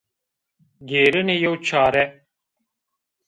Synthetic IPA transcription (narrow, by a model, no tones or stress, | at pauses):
ɡeːɾənejowt͡ʃʰaːɾɛ